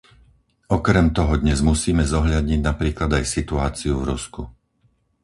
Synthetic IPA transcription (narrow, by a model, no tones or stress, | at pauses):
ɔkɾɛmt̪ɔɦɔd̪ɲɛzmusiːmɛzɔɦʎad̪ɲiɟnapɾiːklad̪ajsit̪uaːt͡siuvɾusku